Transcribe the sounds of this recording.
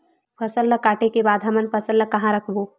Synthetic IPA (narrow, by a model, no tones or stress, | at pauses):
pʰɐsəlːəkaːʈekebaːd̪ɦɐmənpʰɐsəlːəkɐɦãɾɐkʰboː